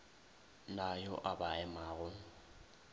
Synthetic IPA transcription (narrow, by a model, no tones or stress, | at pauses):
najɔʔabaɛmaːɣʊ